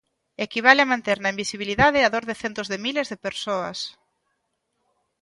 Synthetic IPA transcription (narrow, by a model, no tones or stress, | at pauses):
ekiβ̞aleamãnt̪eɾnɐĩmbisiβ̞iliðaðɪaðoɾðɪθent̪ozðemilezðepeɾsoɐ̰s